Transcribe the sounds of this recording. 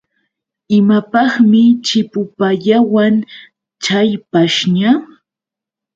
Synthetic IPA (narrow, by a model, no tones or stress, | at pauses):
ɪmapɑχmɪt͡ʃɪpʊpaʎawan | t͡ʃajpaʃɲa